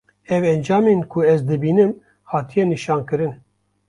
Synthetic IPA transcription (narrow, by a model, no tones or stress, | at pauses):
ɛvɛnd͡ʒɑːmeːnkʰuɛzd̪ɨbiːnɨm | haːt̪ʰijɛniʃɑːnkɨɾɨn